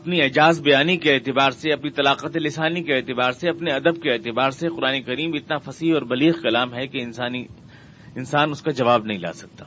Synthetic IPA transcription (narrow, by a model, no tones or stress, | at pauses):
ɐpniɛd͡ʒaːzbɐjaːnikeɛːt̪ɪbaːɾseɐpnit̪ɐlaːqət̪elɪsaːnikeɛːt̪ɪbaːɾseɐpneɐd̪əb̚keɛːt̪ɪbaːɾseqʊɾaːnekɐɾiːmɪt̪nafɐsiːɦɔːɾbɐliːɣkɐlaːmɦɛkeɪnsaːni | ɪnsaːnʊskad͡ʒɐʋaːbnɐɦĩla̰ːsɐk̚t̪aː